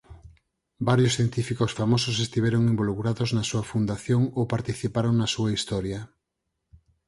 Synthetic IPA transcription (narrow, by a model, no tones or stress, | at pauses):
baɾjosθjent̪ifikosfamosos̬est̪iβɛɾoŋimbolukɾaðoznɐsuɐfund̪aθjoŋowpaɾt̪iθipaɾoŋnɐsuɐist̪ɔɾjɐ